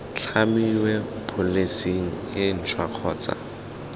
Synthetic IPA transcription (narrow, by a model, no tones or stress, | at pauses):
t͡ɬʰamiwɛpʰʊlesiŋ̩ | ɪn̩t͡ʃʰwaq͡χʰɔːt͡sa̰